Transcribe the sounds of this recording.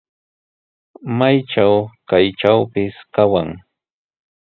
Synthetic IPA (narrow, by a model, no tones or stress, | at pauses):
majʈ͡ʂawkajʈ͡ʂawpɪskawaŋ